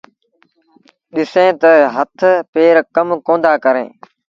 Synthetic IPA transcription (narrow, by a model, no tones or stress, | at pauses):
ɗɪsẽːt̪ɐɦət̪ʰpeːɾkəmkõːnd̪aːkəɾḛ̃ː